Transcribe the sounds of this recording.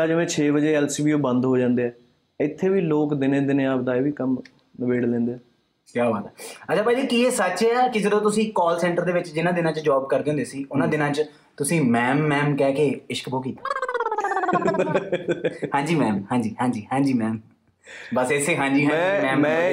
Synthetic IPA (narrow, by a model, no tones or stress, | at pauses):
aːd͡ʒʋẽːt͡ʃʰeːbəd͡ʒeːɛːlsiːbiːoːbənd̪ɦoːd͡ʒãːnd̪eːɛː | ɪt̪ʰːeːʋiːloːkd̪ɪnẽːd̪ɪneːaːpd̪aːeːʋiːkəm | nəbeːɽlɛ̃ːnd̪eːɛː | kjaːʋa̰ːt̪ɛːət͡ʃʰaːpaːd͡ʒiːkiːeːsət͡ʃːkɪseɾõːt̪ʊsĩːkɔːlsɛ̃ːɳʈəɾd̪eːʋɪt͡ʃd͡ʒɪnãːd̪ɪnãːt͡ʃd͡ʒaːb̚kəɾd̪eːõnd̪eːsiːʊnãːd̪ɪnãːt͡ʃ | t̪ʊsĩːmɛːmːɛːmkɛːkeːɪʃkbʱoːk̬iːt̪ḁː | hãːɲd͡ʒiːmɛ̃ːmhãːd͡ʒiːhãːd͡ʒiːhãːd͡ʒiːmɛ̃ːm | bəsesːeːɦãːɲd͡ʒĩːmɛ̃ːmɛ̃ː